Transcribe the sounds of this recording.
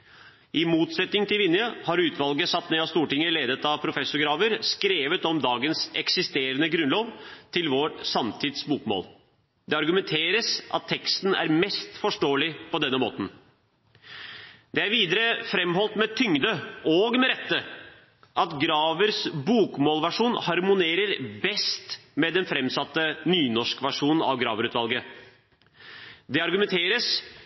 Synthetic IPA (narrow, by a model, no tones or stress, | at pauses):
ʔɪmuːt̪sɛt̪nɪŋt̪ɪlʋɪnjəhɑɾʉːt̪ʋɑlɡəsɑt̪ːneːɑst̪uːʈɪŋːəleːd̪ət̪ɑʋpʰɾʊfɛsʊɾɡɾɑːʋəɾskɾeːʋət̪ɔmd̪ɑːɡənsɛksɪst̪eːɾənəɡɾʉnloːʋt̪ʰɪlʋoʈsɑmt̪ʰɪd̪sbuːkmo̰ːl | d̪ɛɑɾɡʉmɛnt̪ʰeːɾəsʔɑ̰t̪ʰːɛkst̪n̩æ̰ɾmɛst̪fɔʂʈoːəlɪpʰɔd̪ɛnːəmo̰ːt̪n̩ | d̪ɛæɾʋiːd̪əɾəfɾɛmɦɔlt̪mɛt̪ʰʏŋd̪əɔɡmɛɾɛt̪ːə | ʔɑt̪ɡɾɑːʋəɾsbuːkmoːlʋæʂuːnhɑɾmʊneːɾəɾbɛst̪mɛd̪ɛnfɾɛmsɑt̪ːənyːnɔʂkʋæʂuːnn̩ɑ̰ʋɡɾɑ̰ːʋəɾʉːt̪ʋɑlˠɡə | d̪ɛɑɾɡʉmɛnt̪ʰeːɾəs